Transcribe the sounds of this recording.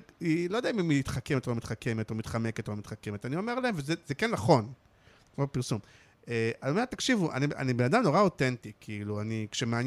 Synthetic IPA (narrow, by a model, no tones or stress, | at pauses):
ilojd̪eaimimit̪χakemetoomit̪χakemet̪omit̪χameke̞t̪omit̪χakemet̪anio̞me̞ʁlaemvezezekenːaχo̞n | kmobpiʁsum | eaomet̪akʃivuʔa̰nia̰nibenadamno̞ʁao̞tentikʰiiluanikʃemaan